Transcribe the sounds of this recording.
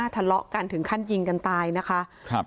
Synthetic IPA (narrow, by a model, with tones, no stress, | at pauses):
t̪ʰa˧lɔ˦˥ʔka˧nt̪ʰɯ˨˩˦ŋkʰa˥˩nji˧ŋka˧nt̪aː˧jna˦˥kʰa˦˥ʔʰ